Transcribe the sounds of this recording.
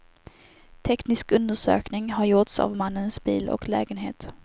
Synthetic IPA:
t̪ʰɛknɪskɵnd̪əʂø̰ːknɪŋɦaɾjʊʈsa̰vmanːənsbiːlɔ̰klɛːɡənɦeːt̪

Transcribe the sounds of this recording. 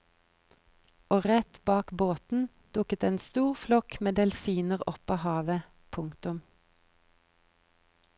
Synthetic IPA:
oːʁɛt̪bɑːkboːt̪n̩ | d̪̥ʊkət̪eːnst̪uːʁflɔkmeːd̪eːlfiːnəʁɔpɑːhɑːʋə | pʰʊŋkt̪ʊm

